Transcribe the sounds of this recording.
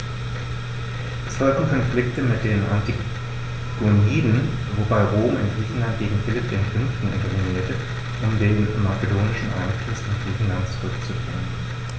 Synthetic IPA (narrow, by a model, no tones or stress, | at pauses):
ʔɛshɔltn̩kʰɔnflɪktəmɪt̚d̥eːnʔa̰nti | ɡ̥oniːdn | vobaɪʁoːɪ̰nɡʁiːçn̩lantɡ̥eːɡŋ̩fɪlɪp̚d̥eːmfʏnftn̩ɪ̰ntɛviniːɐtə | ʔʊmdeːnmat͡sədoːnɪʃn̩ʔa̰ːkʰɪstɪnɡ̥ʁiːçn̩lantt͡suʁʏkt͡sufy̰ːʁən